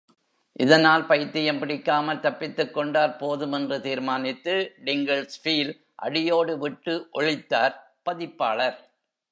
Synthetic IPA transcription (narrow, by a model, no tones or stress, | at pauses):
ʔɪðɐnaːlpɐjt̪ːɪjɐmpɪɽɪkːaːmɐlt̪ɐpːɪt̪ːɯkːɔɳɖaːɾpoːðɯmɛndrɯt̪iːɾmaːnɪt̪ːɯɖɪŋɡɐɭsfiːl | ʔɐ̰ɽɪjoːɽɯʋɪʈːɯʔɔɭɪt̪ːaːɾ | pɐðɪpːaːɭɐɾ